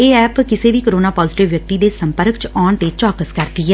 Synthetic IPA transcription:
eːɛːpkɪseːʋiːkəɾoːnaːpɔːzɪʈɪʋjək̚t̪iːd̪eːsəmpəɾkt͡ʃɔːɳt̪eːt͡ʃɔːkəskəɾd̪iːɛː

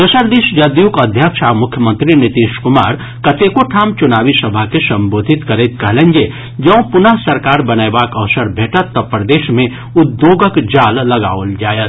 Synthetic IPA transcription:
d̪ɐsəɾd̪iʃd͡ʒɐd̪jukɐd̪ʱjakʃamʊkʰjəmə̃nt̪ɾinɪt̪iːʃkʊma̰ːɾ | kɐt̪ekoʈʰaːmt͡ʃʊnaːʋisɐbʱakesɐ̃mboːd̪ʱɪt̪kɐɾet̪̚kɐɦlẽnd͡ʒe | d͡ʒɐ̃ə̃pʊnəɦsɐɾkaːɾbɐnajbaːkɐʋsəɾbʱeːʈət̪ːɐpːɾəd̪eːʃmẽ | ʊd̪ːjoːɡəkd͡ʒaːlːɐɡa̰ːʋəld͡ʒaːjət̪

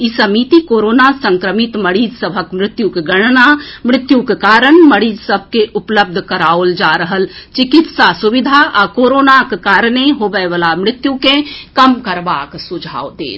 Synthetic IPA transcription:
isəmiːt̪ikoːɾoːnasə̃ŋkɾəmɪt̪məɽiːd͡ʒsəbʱəkmɾɪt̪jukeɡəɽ̃namɾɪt̪jukekaːɾəɳməɽiːd͡ʒsəb̚ʱkeʔʊpləb̚d̪ʱkəɾaːold͡ʒaːɾəɦəlt͡ʃɪkɪt̪sasuʋɪd̪ʱaʔakoːɾoːnakkaːɾneɦoːbəjʋəlamɾɪt̪jukẽkəmkəɾbaːksʊd͡ʒʱa̰ːod̪ḛː

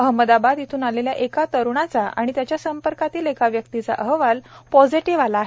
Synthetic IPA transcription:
əɦməd̪abad̪jet̪ʰuːnaleljaʔekat̪əɾɳ̃at͡saʔa̰ɽ̃it̪jat͡ɕjasəmpəɾkat̪iːlekaʋjəkt̪it͡sa̰ʔəɦʋalpɔd͡ziʈiʋalaːɦe

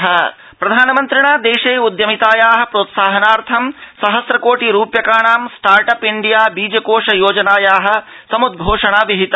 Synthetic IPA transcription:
ɦɐ | pɾɐd̪ʱaːnɐmɐnt̪ɾɪɳaːd̪eːʃeːud̪jɐmit̪aːjaːɦɐ̆pɾoːt̪saːɦɐnaːɾt̪ʰɐmsɐɦɐsɾɐkoːʈiɾuːpjɐkaːɳaːmsʈaːɾʈɐpiɳɖijaːbiːd͡ʒɐkoːʂɐjoːd͡ʒɐnaːjaːɦɐ̆ | sɐmud̪̚ɡʱoːʂɐɳaːʋiɦit̪ɐ

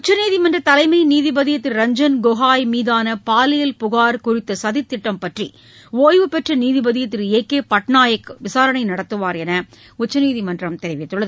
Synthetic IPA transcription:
ʊt͡ʃːɐniːðɪmɐndrɐt̪ɐlɐɪmɐɪniːðɪbɐðɪjɐt̪ːɪɾɾɐɲd͡ʒɐnɡoːɣaːjmiːðaːnɐpaːlɪjɐlpʊɣaːɾkʊrɪt̪ːɐsɐðɪt̪ːɪʈːɐmpɐʈrḭ | oːjʋɯpɛʈrɐniːðɪbɐðɪjɐt̪ːɪɾeːkːeːpɐʈnaːjɐkʋɪsaːɾɐɳɐɪnɐɽɐt̪ːɯʋaːɾɛnɐ | ʊt͡ʃːɐniːðimɐndrɐmt̪ɛɾɪʋɪt̪ːɯɭːɐð

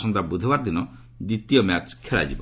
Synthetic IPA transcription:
sɔnt̪abud̪ʱibaɾd̪inɔ | d̪it̪ijɔmat͡ʃkʰeɭa̰d͡ʒibɔ

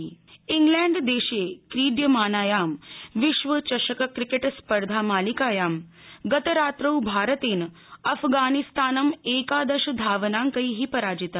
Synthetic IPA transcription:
iŋɡlɛːɳɖd̪eːʃeːkɾiːɖ̪jɐmaːnaːjaːmʋiʃʋɐt͡ʃɐʃɐkɐkɾikeʈspɐɾd̪ʱaːmaːlikaːjaːm | ɡɐt̪ɐɾaːt̪ɾɐwbʱaːɾɐt̪eːn | ɐpʰɡaːnist̪aːnɐmeːkaːd̪ɐʃɐd̪ʱaːʋɐnaːŋkɐiɦipɐɾaːd͡ʒit̪

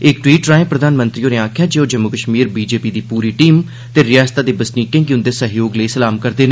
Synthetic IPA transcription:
ɪkʈwiːʈɾaːẽːpɾəd̪ʱaːnmə̃nt̪ɾiːoːneaːkʰjaːd͡ʒeːoːd͡ʒəmːʊkəʃmiːɾbiːd͡ʒeːpiːd̪iːpuːɾiːʈiːm | t̪eːɾɪjaːst̪aːd̪eːbəsniːkẽːkjʊ̃nd̪eːsəɦjoːɡləisəlaːmkəɾd̪eːn

